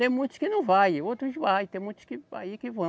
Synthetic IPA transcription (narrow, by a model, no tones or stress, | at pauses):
t̪ẽj̃mũt̪ʊ̥skɪnɐ̃w̃vajot̪ɾʊʃvajt̪ẽj̃mũj̃t̪ʊ̥skɪa̰jikɪvɐ̃